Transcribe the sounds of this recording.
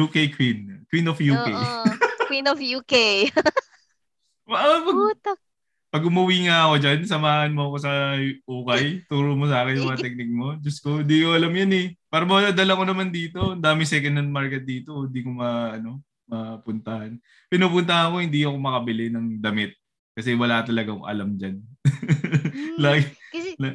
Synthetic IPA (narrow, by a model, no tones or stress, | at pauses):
juːkejkʰwinkwinofjuːkejwinɔfjuːkej | ɐʔpɐɡt̪ak̚ | pɐɡʊmɐwiːŋaɐko̞d͡ʒansɐmaːhɐnmoɐko̞s̬ɐʔuːkɐjt̪uɾʊmos̬aːkɪnjʊmɐɐt̪ɛk̚nɪk̚mo̞d͡ʒɐskoɪnd̪ikoʔɐlɐmjɐnɛpaːɾɐmɐd̪ɐlɐko̞nɐmand̪iːt̪o̞ɐnd̪aːmɪŋsɛkɐnːɐn̚maɹkɛt̪̚d̪iːt̪oɪnd̪iːkomɐʔɐno̞ | mɐpʊnt̪ɐhan | pɪnuːpʊnt̪ɐɐko̞hɪnd̪iɐko̞mɐkɐbɪlɪnɐŋd̪ɐmɪt̪̚ | kɐsɛwɐlat̪ɐlɐɡaŋʔɐ̰lamd͡ʒan | laɡ